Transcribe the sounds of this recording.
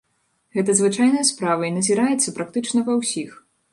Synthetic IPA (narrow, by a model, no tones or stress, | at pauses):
ɣɛt̪ɐzvɨt͡ʂajnɐjɐspɾavɐinɐzʲiɾajɛt̪sːɐpɾak̚t̪ɨt͡ʂnɐpɐwsʲix